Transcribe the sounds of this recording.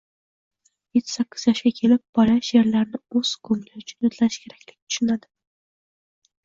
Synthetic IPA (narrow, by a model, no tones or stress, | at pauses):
jet̪ʰːɪ̥sakʲːɪ̥z̥jɒʃɡʲakʲʰe̞lɪp̚b̥ɒlaʃje̞ɾlaɾnɪɵz̥ɡʰʊmlɪʊt͡ʃʰʊnot̪ʰlanɪʃkʲʰe̞ɾakʲlɪɡʲɪt̪ʰʊ̥ʃʊnad̪ɪ